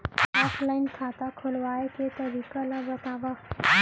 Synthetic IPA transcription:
ɔːpʰlaɪnkʰat̪akʰolʋaːeket̪əɾikalabət̪aːʋa

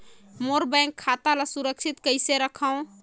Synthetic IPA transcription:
moɾbəjŋkʰːat̪alasuɾəkt͡ʃʰit̪kəɪseɾəkʰəw̃

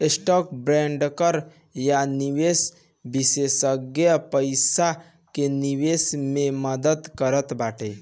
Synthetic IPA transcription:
esʈɔk̚bɾeɳɖkəɾ | janiwes | bisesəɡjəpəɪsa | keniwesmeməd̪əd̪kəɾət̪baʈej

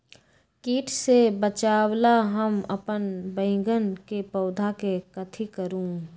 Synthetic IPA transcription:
kiːʈʰsebət͡ʃaːwlaɦəmɐpənbə̃ɪ̃ŋɡənkepɐːd̪ʱakekət̪ʰikəɾũː

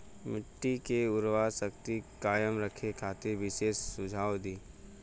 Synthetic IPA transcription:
mɪʈːikeʊɾʋasək̚t̪ikaːjəmɾəkʰekʰaːt̪eʋɪʃeːssʊd͡ʒʱaːwd̪iː

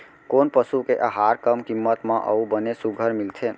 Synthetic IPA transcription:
konpəsukeʔəɦaɾkəmkimːət̪mə̃ʔə̰ubənesuɡʱəɾmilt̪ʰe

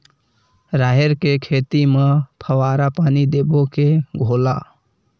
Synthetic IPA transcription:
ɾaːɦeɾkekʰeːt̪imẽpʰəʋaːɾapaːnid̪eːbokeɡʱoːlaː

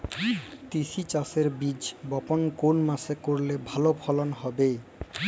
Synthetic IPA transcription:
t̪iʃit͡ɕaseɾbid͡ʑbɔponkonmasekoɾlebʱalopʰɔlonɦɔbe

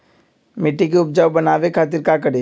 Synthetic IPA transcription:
meʈːikeʊp̚d͡ʒawbɐnaːʋekʰaːt̪̬ɪɾkak̬əɽe

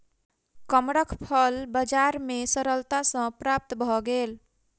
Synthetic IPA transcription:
kəmɽəkʰpʰəlbəd͡ʒaɾmesəɾəlt̪asə̃pɾap̚t̪bʱɔɡel

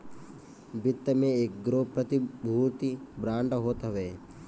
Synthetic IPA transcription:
bɪt̪ːəmẽeːk̚ɡɾoːpɾət̪ibʱuːt̪ibɾãːɳɖɦoːt̪ɦɐʋeː

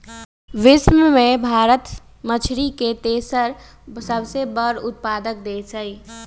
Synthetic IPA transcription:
ʋɪsməmẽbʱaːɾət̪ | mət͡ʃʰɾiket̪eːsəɾ | səbsebəɾʊt̪̚paːd̪ək̚d̪eːsəiː

